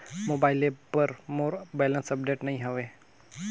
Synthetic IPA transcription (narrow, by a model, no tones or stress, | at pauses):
moːbaːɪlepəɾmoːɾbeːlənsəp̚ɖeːʈnɐɦĩːɦəʋeː